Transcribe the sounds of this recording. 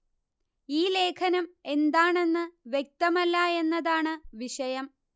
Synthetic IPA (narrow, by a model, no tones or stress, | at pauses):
iːle̞ːkʰɐnɐme̞nd̪aːɳe̞nːɨʋje̞k̚t̪ɐmɐlːae̞nːɐðaːɳɨʋiʂɐjɐm